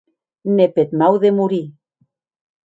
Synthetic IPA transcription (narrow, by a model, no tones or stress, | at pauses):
nepet̪mawðemuɾi